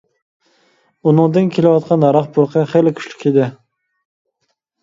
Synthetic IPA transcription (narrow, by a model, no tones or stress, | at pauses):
unɨŋd̪ɨnkʲʰelɪwɑt̪̚qʰɑnɑɾɑχbuɾqʰəχelɪkʲʰy̥ʃly̥kʲʰed̪ɪ